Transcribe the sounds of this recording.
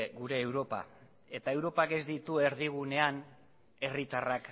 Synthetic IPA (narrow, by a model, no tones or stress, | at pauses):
ɣuɾe̞ːwɾo̞pa̰ | e̞t̪ae̞wɾo̞pake̞zd̪it̪ue̞ɾðiɣune̞an | e̞rit̪arak